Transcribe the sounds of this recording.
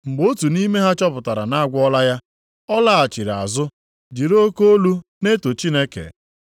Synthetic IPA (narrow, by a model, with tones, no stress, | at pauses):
ŋ͡m̩˨ɡ͡bo˦tu˨ni˦me˦ɦa˦t͡ʃɔ˦pʊ˨ta˨ɾa̰˨na˦a˦ɡʷɔ˦la˦ja˦ | ɔ˦la˦˨a˨t͡ʃi˨ɾa̰˨zʊ˦ | d͡ʒi˨ɾo˦ko˦o˦lu˦ne˦to˨t͡ʃi˦ne˦kḛ˨